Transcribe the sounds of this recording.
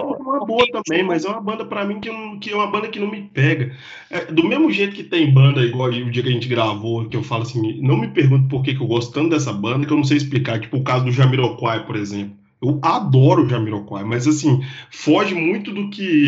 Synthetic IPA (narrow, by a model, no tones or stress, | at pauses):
ũmɐboɐt̪ɐ̃bẽj̃mɐzɛũmɐbɐ̃nd̪ɐpɾɐmĩkɪñkɪɛũmɐbɐ̃nd̪ɐkɪnɐ̃w̃mɪpɛɡɐ | ɛd̪ʊmezmʊʒejt̪ʊ̥kɪt̪ẽj̃bɐ̃nd̪ɐiɡwawiʊd͡ʒiɐkɐʒẽnt͡ʃɪɡɾavokɪewfalʊasĩnɐ̃w̃mɪpehɡũt̪̬ʊ̥poɾk̬ek̬ɪewɡɔst̪ʊ̥t̪ɐ̃t̪ʊd̪ɛs̬ɐbɐ̃d̪ɐkewnɐ̃sejɪs̬plikaɾt͡ʃi̥pʊːkazʊd̪ʊʒamiɾokwajpoɾezẽplʊ | ewad̪ɔɾʊːʒamiɾokwa̰jmɐzasĩfɔʒɪmũj̃t̪ʊd̪ʊkɪ